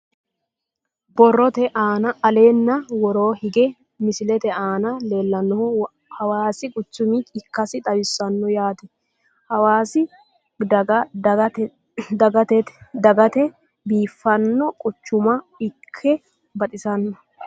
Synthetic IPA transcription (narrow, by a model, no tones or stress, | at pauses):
bɔrːɔt̪ɛʔaːnɐɐle̞ːnːɐwɔɾo̞ːhɪɡɛ | mɪsɪlɛt̪ɛaːnɐle̞ːlːɐnːɔhʊ | hɐwaːsɪkʼʊt͡ʃːʊmiɪkːɐsɪt̪ʼɐbɪsːɐnːɔjaːt̪ɛ | hɐwaːsɪ | ɐɐɐɛ | d̪ɐɡɐt̪ɛ̥d̪ɐɡɐt̪ɛ | biːfːɐnːɔkʼʊt͡ʃːʊmɐ | ɪkʰːɛ | bɐt̪ʼɪsɐnːɔ